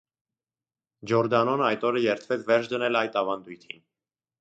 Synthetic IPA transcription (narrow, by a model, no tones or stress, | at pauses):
d͡ʒɔɾd̪ɑnɔnəɑjt̪ɔɾəjɛɾt̪ʰvɛt͡sʰvɛɾt͡ʃʰd̪ənɛlɑjt̪ɑvɑnd̪ujt̪ʰin